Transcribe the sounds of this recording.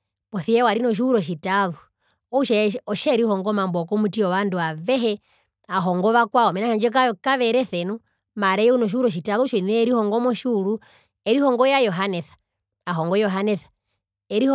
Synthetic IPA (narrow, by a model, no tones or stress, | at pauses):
pɔθiɛwaɾinɔʃ̬uuɾɔʃitaðu | ɔuʃɛɔʃɛɾihɔŋɡɔmambɔkɔmutiɔʋanduaʋɛɦɛ | aɦɔŋɡɔβakwaɔmɛnaʃaɲd͡ʒɛk̬akaʋɛɾɛθɛnu | maɾɛjɛunɔʃ̬iuɾɔʃ̬itaðuʃɔinɛːɾihɔŋɡɔmɔʃuːlu | ɛɾihɔŋɡɔjajɔɦanɛθḁ | aɦɔŋɡɔjɔɦanɛθḁ | ɛɾi